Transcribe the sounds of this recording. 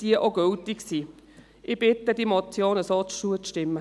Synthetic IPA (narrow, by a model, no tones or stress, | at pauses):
d̥iəʔoɡøltɪksiː | ʔɪb̥ɪt̪əd̥imɔt͡sjoːnəsɔt͡st͡ʃuət͡sʃtɪmːə